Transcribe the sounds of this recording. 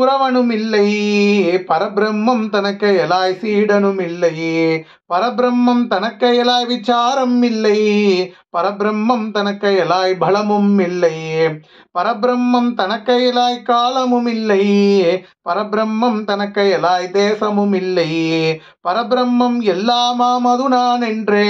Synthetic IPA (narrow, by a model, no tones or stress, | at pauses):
uɾɐʋɐnumilːɐjipɐɾɐbɾɐmːɐmt̪ɐnɐkːɐjɐlaːjisiːɽɐnumilːɐji | pɐɾɐbɾɐmːɐmt̪ɐnɐkːɐjɐlaːjʋit͡ʃaːɾɐmːilːɐji | pɐɾɐbɾɐmːɐmt̪ɐnɐkːɐjɐlaːjibʱɐɭɐmumːilːɐji | pɐɾɐbɾɐmːɐmt̪ɐnɐkːɐjɛlaːjikaːlɐmumilːɐji | pɐɾɐbɾɐmːɐmt̪ɐnɐkːɐjɐlaːjid̪eːsɐmumilːɐji | pɐɾɐbɾɐmːɐmɛlːaːmaːmɐd̪unaːneɳɖɾe